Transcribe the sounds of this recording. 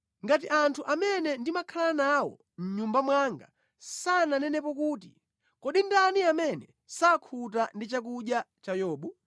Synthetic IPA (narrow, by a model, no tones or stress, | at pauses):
ŋɡat̬iʔantʰuʔamɛnɛndimakʰalanawɔ̰ | m̩ɲumbamwaŋɡa̰ | sananɛnɛpɔkuːtḭ | kɔɗindaniamɛnɛ | sakʰut̬andit͡ʃak̬uʄjat͡ʃajɔːɓu